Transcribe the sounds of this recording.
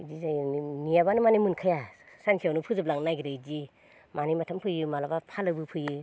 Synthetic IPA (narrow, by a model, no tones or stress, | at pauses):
d͡ʒizajnijabanɯmanimɯnkʰajasansʰijawnupʰɯzɯplaŋnajɡiɾad͡ʒi | manimatʰampʰɯjɯmalabapʰalɯbɯpʰɯjɯ